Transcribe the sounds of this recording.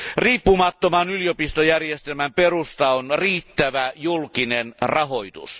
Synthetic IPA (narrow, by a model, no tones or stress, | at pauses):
riːpːumɑt̪ːomɑnylijopist̪ojærjest̪elmæmperust̪ɑonriːt̪ːæʋæjulkinenrɑɦoit̪ṵs